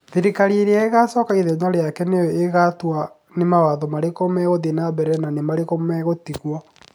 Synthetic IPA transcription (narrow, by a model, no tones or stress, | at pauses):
ðiɾikaɾieɾeaeɣasɔːkaiðeɲaɾeakɛneɔeɣatwa | nemawaðɔmaɾekomɛɣoðenabɛɾɛnanemaɾekomɛɣotiɣwɔ